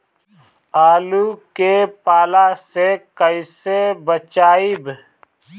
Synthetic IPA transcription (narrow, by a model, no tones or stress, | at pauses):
aːlukepaːlasekəisebət͡ʃaːib